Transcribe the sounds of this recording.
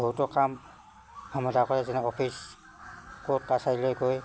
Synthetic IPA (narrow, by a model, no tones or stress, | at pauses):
bʱɔɦutɔkam | amɔdakɔɹɛzɛnɛɔpʰis | kot̚kasailojkoj